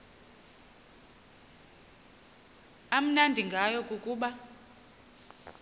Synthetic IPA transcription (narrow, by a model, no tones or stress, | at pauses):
am̩nandʱiŋɡʱajɔkʼukʼuːɓa